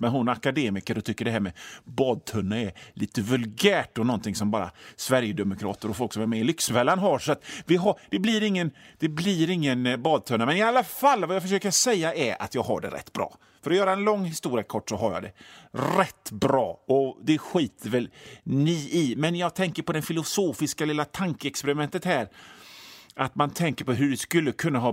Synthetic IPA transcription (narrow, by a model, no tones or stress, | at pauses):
mɛnɦʊnakad̪eːmɪkəɾɔt̪ʰʏkːəɖɛɦæːɾmɛbɑːd̪̚t̪ʰɵnːaɛliːt̪əvɵlɡæːʈɔnɔnt̪ʰɪŋsɔmbɑːɾa̰svæɾjəd̪ɛmʊkʰɾɑ̰ːt̪əɾɔfɔlksɔmɛɾmɛɪlʏksvɛlːanɦaɾʂɔat̪vɪɦad̥̪ɛbliɾɪŋːənd̪̥ɛbliɾɪŋːənbɑːd̪̚t̪ʰɵnːamɛnɪalːafalːvajɑfœʂ̬øːkəɾʂɛjːaʔɛɾa̰t̪jɑːɡɦa̰ɖɛ̰ɾɛ̰t̪ːb̥ɾɑ̰ː | fœɾɔjœːɾaɛnlɔŋːhɪst̪uːɾɪjakʰɔʈːsɔɦaɾjɑ̰ːd̪ɛ̰ɾɛt̪ːbɾɑːɔd̪ɛɧiːt̪ʰəɾvɛlniːɪmɛnjɑːɡ̚t̪ʰɛŋkəɾpɔd̪ɛfɪlʊsoːfɪskalɪlːat̪ʰaŋkəɛkspɛɾɪmɛnt̪ət̪hæːɾ | ʔat̪mant̪ʰɛŋkəɾpɔɦɵɖɛskɵlːəkʰɵnːaɦɑː